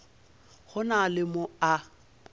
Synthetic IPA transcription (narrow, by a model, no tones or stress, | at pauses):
ɣʊnalɪmʊa